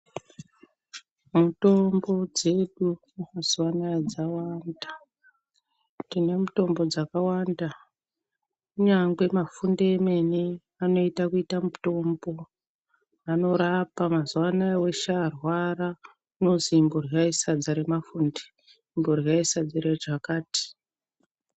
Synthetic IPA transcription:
muto̞mbo̞d͡ze̞ɗu | maz̥uwanaad͡zawanda | tine̞muto̞mbo̞d͡zakawanda | uɲaŋɡwe̞mafundeːme̞ne | ano̞itakuitamuto̞mbo̞ | ano̞ɾapamazuwanaawe̞ʃaːrwara | uno̞ziːmbo̞raisad͡zaɾemafuːnde | imboriaisad͡ziɾaʐakaːti̥

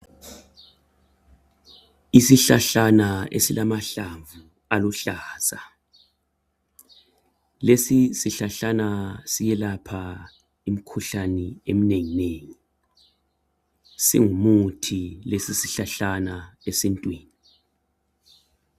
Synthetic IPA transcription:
isiɬaɬanaḛsilamaɬaɱvu | aluɬaːsa | lesisiɬaɬanasijɛlapʰa | im̩kʰuɬaniem̩neŋineːŋi | sḭŋumutʰilesisiɬaɬanaesintʼwiːni

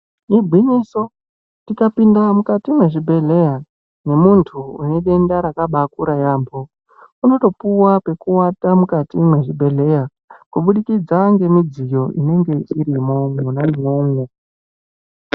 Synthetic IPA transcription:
ibʱwiniso | tikapindamukatimwe̞ʐibʱe̞ɮe̞ja | ne̞muntʰuune̞ɗe̞ndaɾakaɓakuɾajaːmbʰo̞ | uno̞to̞puwape̞kuwatamukatimwe̞ʐibʱe̞ɮe̞ja | kuɓuɗikid͡zaŋɡe̞mid͡zijo̞ʔine̞ŋɡe̞iɾimoŋunamoŋwo

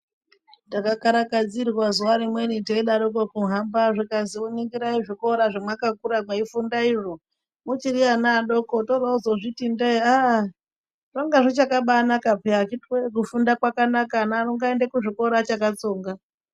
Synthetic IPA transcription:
takakaɾakad͡zirrwazuwaɾimwe̞niteiɗaɗokokuɦambaʐikaziuniŋɡiɾaiʐiko̞ɾaʐimwakakuɾamweifundaiʐo | mut͡ʃirianaɗokotorauzoʐitindeia | roŋɡaʐot͡ʃakaɓanakapeat͡ʃitwek̬ufundakwakanakanaruŋɡaendekuʐiko̞ɾat͡ʃakat͡soːŋɡa

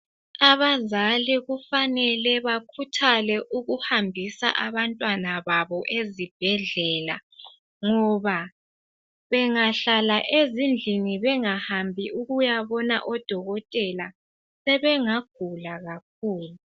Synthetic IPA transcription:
aβazalɛɣufanɛlɛβakʰutʰalɛʔuɣuhambʱisa̰ʔaβantʼwanaβaβɔʔezib̥ʱɛɮɛːla̰ | ŋɔβa | βɛŋaɬalaʔezind͡ɮʱiniβɛŋahambʱiuɣujaβɔna̰ʔɔd̥ʱɔɣɔtʼɛla | sɛβɛŋaɡ̥ʱulaɣak̚ʰuːlu

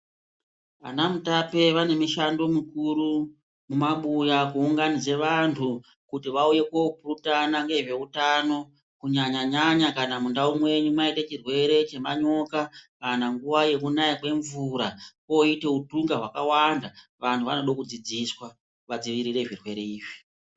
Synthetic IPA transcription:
ʋa̰namutape̞ʋane̞miʃando̞mikuɾu | mumaɓujakuuŋɡanid͡zeʋantʰu | kutiʋauje̞kopurutanaŋɡeʐe̞utano̞ | kuɲaɲaɲaɲakanamundaumwe̞ɲumaitet͡ʃirwe̞ɾe̞t͡ʃe̞maɲo̞kakanaŋɡuʋaje̞k̬unajikwe̞ɱvuɾakoite̞utuŋɡaɦwakawandaʋantʰuʋa̰no̞ɗokud͡zid͡ziswa | ʋad͡ziʋiɾiɾe̞ʐirwe̞ɾe̞iːʐi̥

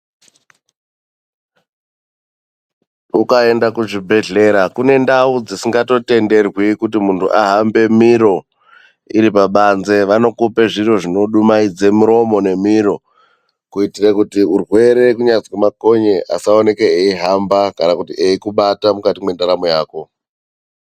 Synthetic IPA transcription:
ukae̞ndakuʐibʱe̞ɮe̞ɾakune̞ndaud͡zisiŋɡato̞te̞nde̞rwikutimuntuʔaɦambe̞miɾo̞ | iɾipaɓanze̞ʋano̞kupe̞ʐiro̞ʐino̞ɗumaid͡zemuɾo̞mo̞ne̞miɾo̞ | kuitirekutiurwe̞ɾe̞kuɲad͡zwemako̞ɲeʔa̰saone̞keeiɦambakanakutiʔeikuɓatamukatimwe̞ndaɾamojaːko̞

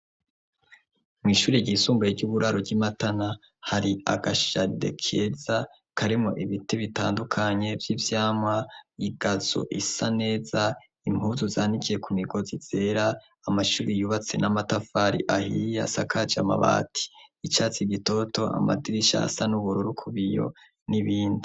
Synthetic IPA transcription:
mŋwiːʃuːɾiɟisuːmbajeɾɟuβuɾaɾoɟimatana | haɾia̰ɡaʃade̞̰kʰeza | kʰaɾimo̞ʔiβiteβitaːndukʰaɲe̞vjivjaːmŋaiɡazo̰ʔisane̞ːza | imhuzuzaːnikʰije̞kumiɡo̞ziz̥eɾaː | maʃuːɾijuβat͡se̞namatafaːɾḭʔahija̰sakʰad͡ʒama̰βa̰ːtʰi̥it͡ʃaːt͡siɡito̞to̞ʔa̰ma̰diɾiʃa̰sanuβuɾuɾukʰuβijo̞̰ | niβiːndi

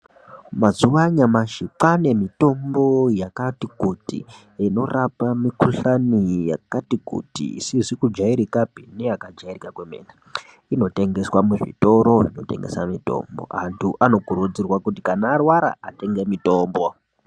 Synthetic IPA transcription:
mazuwaɲamaʃiǃane̞mito̞mbo̞jakatikutḭ | ino̞rapamikuɬanija̰katikṵtḭḭsizikud͡ʒaiɾikapineakad͡ʒairikakwemḛːna | ino̞te̞ŋɡe̞swamuʐḭto̞ɾo̞ʐino̞̰te̞̰ŋɡesa̰mito̞̰ːmbo̞̰ɦa̰ntʰuʔano̞ɡʱuɾud͡zirwakutikanaːrwaɾa̰ate̞ŋɡe̞mito̞ːmbo

